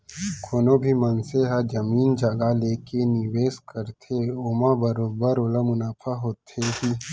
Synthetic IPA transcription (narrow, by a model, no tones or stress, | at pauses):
kʰoːnobʱimənseɦad͡ʒɐmiːnd͡ʒɐɡaleːkeniweːskəɾt̪ʰeoːmabɐɾobəɾoːlamʊnaːfʰaɦoːt̪ʰeɦi